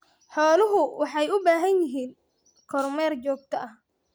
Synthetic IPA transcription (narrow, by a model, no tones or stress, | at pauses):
ħɔːlɪɦʊwɑħɑjʊbaːɦɐnjɪɦiːn | kʰɔrmɛːrt͡ʃɔːɡ̚t̪ʰɐɐh